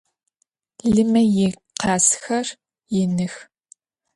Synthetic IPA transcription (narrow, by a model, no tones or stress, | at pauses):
ɮɨmɐjɪ | qɑːsxɐr | jɪnɨx